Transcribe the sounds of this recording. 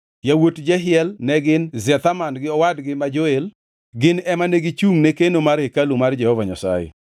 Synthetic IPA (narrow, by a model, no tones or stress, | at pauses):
jawotd͡ʒɛɦɪɛlnɛɡɪnzɛt̪amanɡɪɔwadɡɪmad͡ʒoel | ɡɪnɛmaneɡɪt͡ʃuŋnekenomaɾhekalumard͡ʒɛhɔvaɲa̰sa̰jɛ̰